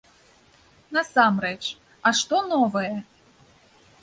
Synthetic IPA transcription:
nɐsamrɛt͡ʃ | aʂt̪ɔnɔvɨjɛ

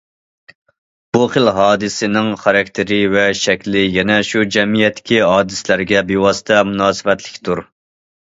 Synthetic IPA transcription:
b̥uχəlɦɑːd̪ɨsɪnɪŋχɑɾɑk̚ʲt̪ʰɪɾɪvɛʃɛkʲlɪjɛnɛʃud͡ʒɛmijɛt̪ːɪ̥kʲiɦɑːd̪ɨslæɾɡʲɛbewɑsɨ̥t̪ʰɛmunɑːsɨvɛt̪lɪ̥kʲt̪ʰuɾ

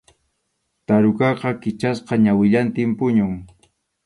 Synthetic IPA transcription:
t̪aɾʊkɑqɑkɪt͡ʃasqɑɲawɪʎant̪ɪmpʊɲʊŋ

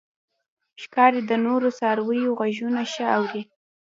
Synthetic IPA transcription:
ʃkɑɾed̪ənoɾosɑɾwəjoɣaʒunaʃəawɾi

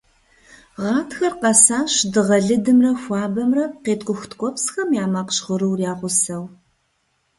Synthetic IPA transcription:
ʁɑːtʰxɐrqɐsaːɕdɨʁɐɮɨdɨmrɐxʷɑːbɐmrɐqeːtkʷʼʊxʷʊtkʷʼɔpsxɐmjaːmɐqɕʁəɾɨwrjaːʁʷʊsɐw

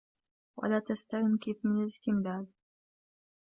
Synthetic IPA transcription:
wa̰laːt̪ast̪aɣɪmkeːfmɪnalɪst̪ɪmdaːd̪̚

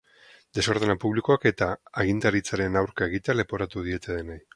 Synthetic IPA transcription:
d̪e̞so̞ɾð̞enapuβliko̞ake̞t̪aːɣ̞int̪aɾit͡saɾe̞nawɾkae̞ɣ̞it̪eale̞po̞ɾat̪uð̞ie̞t̪e̞ðenaj

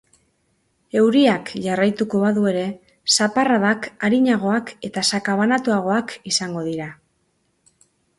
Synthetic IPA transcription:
e̞wɾiakʝarajt̪uko̞βaðue̞ɾe̞ | saparaðakaɾiɲaɣ̞o̞ake̞t̪asakaβanat̪uaɣ̞o̞akisaŋɡo̞ðiɾa

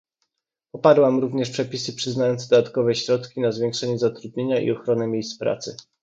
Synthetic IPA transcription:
ɔpaɾwamɾuvɲɛʂpʂɛpʲisɘpʂɘznajɔnd̪zd̪ɔd̪at̪kɔvɛɕɾɔt̪kʲinazvʲjɛ̃ŋkʂɛɲɛzat̪ɾud̪̚ɲeɲaʔḭɔxɾɔnɘmʲjejst̪spɾa̰t̪sɘ

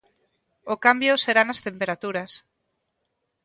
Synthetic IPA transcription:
okambjoseɾanast̪empeɾat̪uɾas

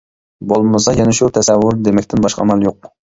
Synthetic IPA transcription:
bolˠmɨsɑjɛnɛʃut̪ʰɛsɛwːʊɾd̪emɛkʲt̪ʰɪnbɑʃqɑ̰mɛlˠjoq̚

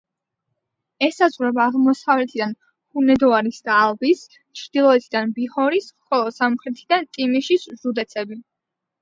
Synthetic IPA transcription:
ɛsazʁɾɛbaːʁmɔsavlɛt̪ʰid̪an | hunɛd̪ɔaɾisd̪aːlˠbis | t͡ʃʰɾd̪ilˠɔɛt̪ʰid̪anbihɔɾisχɔlˠɔsamχɾɛt̪ʰid̪ant̪ʼimiʃiszud̪ɛt̪sʰɛbi

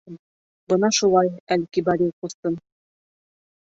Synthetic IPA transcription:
bɤnɑʃulˠɑjælkibɑɾʲiqust̪ɤn

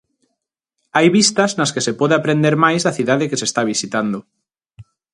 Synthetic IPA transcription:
ajβist̪aznaskesepɔðeapɾend̪eɾmajzðaθiðaðekesest̪aβ̞isit̪and̪o

